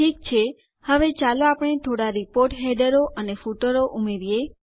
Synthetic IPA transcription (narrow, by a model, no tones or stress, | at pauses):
ik̚t͡ʃʰe | həʋet͡ʃaloapəɽ̃et̪ʰoɽaɾipoɾʈɦeɖəɾoʔənefuʈəɾoʔumeɾije